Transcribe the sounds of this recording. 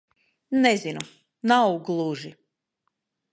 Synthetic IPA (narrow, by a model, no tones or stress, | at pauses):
nɛzinu | nawɡlˠuʒi